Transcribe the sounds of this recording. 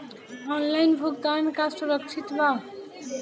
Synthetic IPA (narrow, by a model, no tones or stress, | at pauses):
ɔnlajnbʱuk̚d̪ankassuɾʌkt͡ʃʰit̪ba